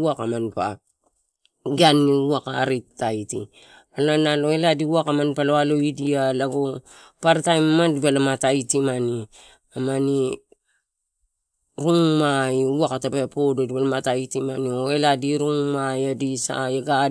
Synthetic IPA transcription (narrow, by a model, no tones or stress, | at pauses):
akamanpa̰ | ɡianːiuakaɾitːajtḭ | alanaloeladiuakamanpaloaloidialaɡo | paɾtajmmandibalamatajtimani | amani | ɾuŋmaiuakatabapododibalamatajtimanioeladiɾuŋmajadisa̰jaɡa